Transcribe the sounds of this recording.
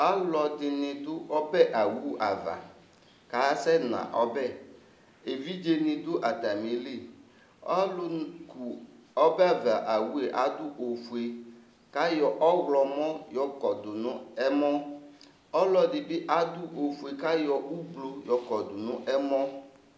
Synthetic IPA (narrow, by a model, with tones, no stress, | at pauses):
a˦lɔ˨dɪ˨nɪ̃˨d̪ʊ˦ɔ˦bɛ˦ʔa˨wu˦ʔa˨va̰˨ | ka˨˦sɛ˦nã̰˨ʔɔ˦bɛ˦˨ | e˨vi˦d͡ʒe˦nɪ̃˨d̪ʊ˦ʔa˨t̪a˨mĩ˨le˦˨ | ɔ˦lʊ˦ku˨ɔ˦bɛ˦a˨va˨ʔa˨wu˦e˨ʔa˦d̪ʊ˦ʔo˨fu˨e˨ | ka˦jɔ˨ʔɔ˦wlɔ˨mɔ̃˦jɔ˦kɔ˨d̪ʊ˨nʊ̃˦ɛ˦mɔ̃˦ | ɔ˦lɔ˨dɪ˨bɪ˦ʔa˦d̪ʊ˦ʔo˨fu˨e˨ka˦jɔ˨ʔu˦blo˦jɔ˨kɔ˨d̪ʊ˨nʊ̃˦ʔɛ˦mɔ̃˦